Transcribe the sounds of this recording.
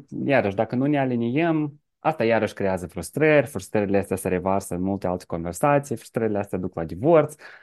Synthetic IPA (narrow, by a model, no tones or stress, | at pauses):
jaɾəʃd̪akənune̞alinijəm | ast̪ajaɾəʃʲkɾe̞jazəfɾust̪ɾərʲfɾust̪ɾəɾʲileast̪ʲaseɾe̞varsəɨnmult̪e̞alt̪e̥ko̞nve̞rsat̪sijfɾu̥st̪ɾəɾʲileast̪ʲjad̪uklad̪ivort̪s